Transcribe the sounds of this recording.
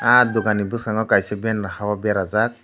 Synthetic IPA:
ad̪uɡanibusaŋɔkajsɔbiɛnɾahawabɛɾazak̚

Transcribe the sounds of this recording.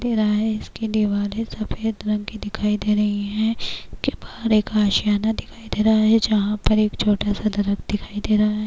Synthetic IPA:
d̪eːɾaɦaɦɛɪskid̪iʋaːɾesɐfeːd̪ɾɐ̃ŋɡkid̪ɪkʰaːid̪eːɾɐɦiɦɛ̃kebaːɾeːkaːʃjaːnad̪ɪkʰaːid̪eːɾaɦaɦɛd͡ʒɐɦãpɐɾeːkt͡ʃʰoːʈasad̪ɐɾəkd̪ɪkʰaːid̪eːɾaɦaɦɛ

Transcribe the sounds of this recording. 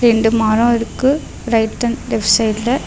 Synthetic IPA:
ɾɛɳɖɯmaːɾɐ̃ɛɾɯkːɯ | ɾɐɪʈːɐnɖɛfsɐɪlɐ

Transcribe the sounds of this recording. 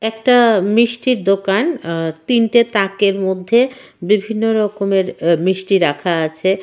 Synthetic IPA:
ɛkʈamiʃʈiɾd̪okant̪inʈet̪akeɾmod̪ʱːe | bibʱinːoɾɔkomeɾmɾiʃʈiɾakʰaat͡ɕʰe

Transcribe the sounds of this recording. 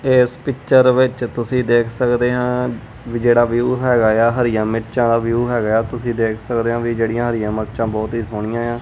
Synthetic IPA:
ɪːspɪkt͡ʃəɾʋɪt͡ʃt̪ʊsĩːd̪eːkʰsəkd̪eːɦãː | ʋid͡ʒeːɽaːʋjuːɦɛːɡaːjaːɦəɾɪjãːmɪʈt͡ʃãːd̪aːʋjuːɦɛːɡaːjaːt̪ʊsĩːd̪eːkʰsəkd̪eːɦãːʋiːd͡ʒeːɽijãːɦəɾɪjãːməʈt͡ʃãːbɔːt̪ɦiːsoːɽ̃ɪjãːjãː

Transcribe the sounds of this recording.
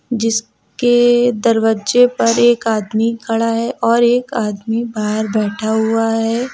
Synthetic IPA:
d͡ʒɪs | ked̪ɐɾʋəd͡ʒepɐɾeːkaːd̪mikɐɭaɦɛʔɔːɾeːkaːd̪mibaːɦəɾbɛːʈʰaɦʊaɦɛː

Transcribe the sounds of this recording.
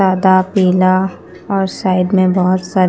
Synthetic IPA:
aːd̪apiːla | ɔːɾsaːɪd̪mẽbɔɦʊt̪saː

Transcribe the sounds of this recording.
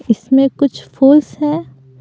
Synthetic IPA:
ɪsmẽkʊt͡ʃʰpʰuːlsɦɛː

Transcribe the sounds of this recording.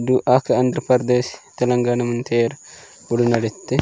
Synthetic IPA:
duʔɐkɐɐnd̪ɾɐpɐɾd̪eːst̪ɐlɐŋɡaːnɐmɐnt̪ʰeːɾ | uɽunɐɽit̪ːe

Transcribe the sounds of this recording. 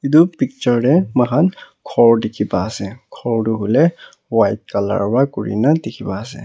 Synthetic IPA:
idupik̚t͡ʃɔɹdɛməxan | kʰɔɹdikʰibaːsɛkʰɔɹduɦulɛ | wajt̚kala̰ɹbakuɹḭnadikʰibaːsɛ̰

